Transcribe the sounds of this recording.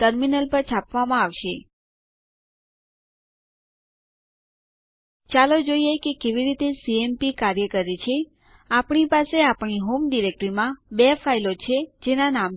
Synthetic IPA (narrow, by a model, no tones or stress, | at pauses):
t̪əɾminəlpəɾt͡ʃʰapʋamãaʋʃe | t͡ʃalod͡ʒoijekekeʋiɾit̪esiempikaɾjəkəɾit͡ʃʰe | apɳ̃ipaseapɳ̃iɦomɖiɾek̚ʈɾimãbefailot͡ʃʰed͡ʒenanam